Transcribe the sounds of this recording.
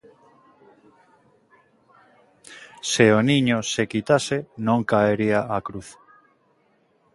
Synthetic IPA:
seonĩɲosekit̪asenõŋkaeɾiaʔakɾuθ

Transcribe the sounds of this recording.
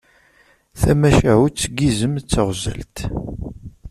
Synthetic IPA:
θæmæʃæʕut͡sːɡizəmt͡sːəʁzə̰lt̪

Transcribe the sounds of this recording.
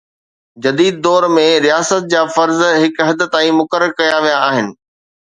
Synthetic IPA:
d͡ʑɐd̪iːd̪̚ːɔːɾmẽɾijaːsət̪̚d͡ʑaːfɐɾzɦɪkɦɐd̪ət̪aːĩmʊkəɾəɾkɐjaʋijaːɦɪnɪ̆

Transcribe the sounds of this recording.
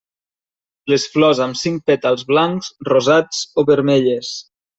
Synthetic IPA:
lesflɔzamsiŋk̚pet̪alˠzβlaŋz̥rozat͡soβəɾmeʎes

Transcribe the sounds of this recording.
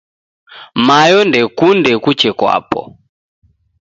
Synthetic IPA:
majɔndɛkundɛkut͡ʃɛkwa̰pɔ̰

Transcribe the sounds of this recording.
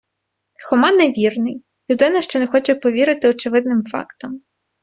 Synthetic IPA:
xɔmɑneʋʲirnɪj | lʲud̪ɪnɐʃt͡ʃɔnexɔt͡ʃɛpɔʋʲiɾɪt̪ɪɔt͡ʃɪʋɪd̪nɪmfɑ̰kt̪ɔm

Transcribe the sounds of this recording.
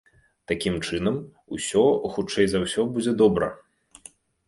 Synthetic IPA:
t̪akʲimt͡ʂɨnɐm | ṵsʲɔxut͡ʂɛjzawsʲɔbud͡zʲɛd̪ɔbɾɐ̰

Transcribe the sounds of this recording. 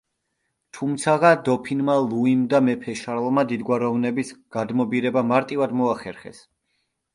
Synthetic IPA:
t̪ʰumt̪sʰaʁad̪ɔpʰinmalˠuimd̪amɛpʰɛʃaɾlˠmad̪id̪ɡwaɾɔvnɛbisɡ̥ad̪mɔbiɾɛbamaɾt̪ʼivad̪mɔaχɛɾχɛ̰s

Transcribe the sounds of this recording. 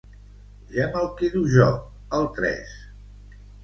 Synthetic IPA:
ʒɛməlˠkiðuʒɔ | əlˠt̪ɾɛ̰s

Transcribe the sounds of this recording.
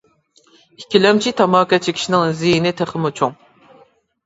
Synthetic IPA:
ikʲːilɛmt͡ʃʰit̪ʰɑmɑːkʲɑt͡ʃʰikʲʰi̥ʃinɪŋzijinɪt̪ʰɛχɨmut͡ʃʰuŋ

